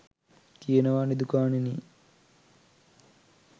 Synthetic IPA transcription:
kijenɐʋaːɳid̪ukaːnini

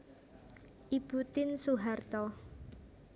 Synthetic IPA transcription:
ʔib̥ut̪ɪnsuɦart̪ɔ

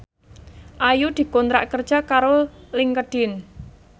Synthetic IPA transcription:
ʔajud̪̥i̤kont̪ɾa̰ʔkərd̥ʒ̥a̤kaɾolɪŋkəɖ̥ɪ̤n

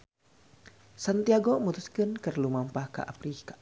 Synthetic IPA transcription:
sant̪iaɡomut̪uskɨnkərlumampahka̰ʔa̰pɾikḁ

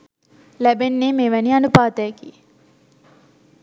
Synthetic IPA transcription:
læbenːeːmeːʋænianupaːt̪əjəkiː

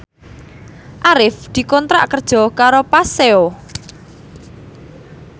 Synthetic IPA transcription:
ʔaɾɪfd̪̥i̤kɔnt̪ɾa̰ʔkərd̥ʒ̥ɔ̤kaɾopaseo

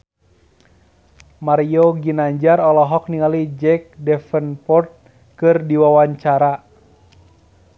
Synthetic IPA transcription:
maɾioɡinaɲd͡ʒaɾɔlɔɦɔk̚niŋalid͡ʒɛk̚dɛfənpɔrt̪̚ | kɨrdiwawaɲt͡ʃaɾa

